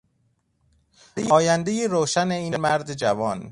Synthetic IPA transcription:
jɒːjænd̪ejeɾoːʃæneiːmæɾd̪ed͡ʒævɒːn

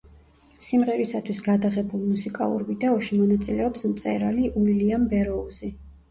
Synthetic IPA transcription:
simʁɛɾisat̪ʰwisɡad̪aʁɛbulˠmusikʼa̰lˠṵɾvid̪ɛɔʃimɔnat̪sʼilɛɔpsmt̪sʼɛ̰ɾaliʔuliliambɛɾɔuzi

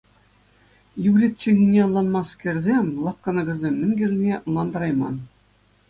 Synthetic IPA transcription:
juʋrʲit̚ʲt͡ɕɘ̆ɣʲinʲeɤnlˠɑnmɑskʲerʲzʲemʲlˠɑkkːɑ̆nɤ̆ɡʲɤ̆zʲemʲːɘ̆ŋʲɡʲɘ̆rʲnʲĕnlˠɑnd̪ɑɾɑjmɑ̰n

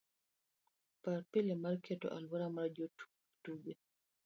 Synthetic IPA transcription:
paɾpilɛmaɾkɛtɔ̰ʔa̰lwaɾamaɾd͡ʒotu̥ | tuɡɛ

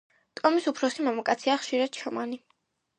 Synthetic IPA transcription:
t̪ʼɔmisupʰɾɔsimamakʼat̪sʰiaχʃiɾad̪̥̚t͡ʃʰɔmani

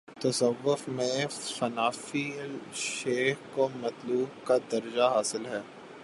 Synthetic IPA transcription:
t̪ɐsɐʋːʊfmẽfɐnaːfilʃeːxkomɐt̪luːb̚kad̪ɐɾd͡ʒaɦaːsɪlɦɛː

